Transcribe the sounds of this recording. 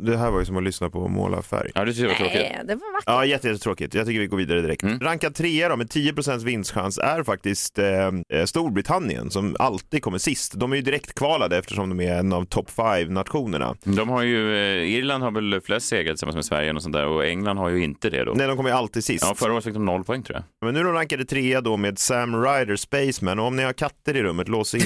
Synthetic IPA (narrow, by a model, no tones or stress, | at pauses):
d̪ɛɦæːɾvaɾjɵsɔmanlʏsnapʰɔ̰mo̰ːla̰fæ̰ɾjad̪ɵt̪ʰʏkːəɾɛvaɾʰɾoːkɪd̪ɛvaaɑjɛt̪ːəjɛt̪ːət̪ʰɾoːkɪt̪jɑɡt̪ʏkːəɾvɪɡoːviːd̪aɾəd̪ɪɾɛ̰kt̪ɾaŋkat̪ʰɾeːaɾɔmɛnt̪ʰiːəpʰɾʊsɛnt̪s̬vɪnːst̪ɧa̰nsæɾfak̚t̪ɪst̪st̪uːɾbɾɪt̪ʰanːɪ̰ə̰nsɔma̰lt̪iːd̪kɔmːəʂɪst̪d̪ɔmæɾjɵd̪ɪɾɛkt̪kʰvɑːlad̪əɛft̪əʂɔmd̪ɔmæɾɛnːavt̪ʰɔpːfajvnat̪ɧuːnəɳa̰d̪ɔmhaɾjɵɪɾland̪haɾvɛlflɛst̪seːɡɾat̪ɪsamːa̰smɛsvæ̰ɾjənɔsɔnt̪d̪æ̰ːɾɔɛ̰ŋːland̪haɾjɵɪnt̪əd̪ɛ̰d̪o̰nɛjd̪ɔmkʰɔmːəjəalt̪iːd̪sɪsɑfœɾaoːɾt̪fɪk̪̚d̪ɔmnɔlːpʰɔɛŋːt̪ʰɾuːja̰mɛnːʉ̟ːɾɔmɾaŋkad̪ət̪ʰɾeːad̪ɔmeːd̪sæmɾajd̪əspɛɪsmɛnɔɔmnɪhaɾkʰat̪ːəɾɪɾɵmːət̪loːsɪ